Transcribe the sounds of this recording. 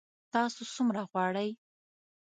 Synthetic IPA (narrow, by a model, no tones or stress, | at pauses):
t̪ɑsosumɾaɣwɑɽəj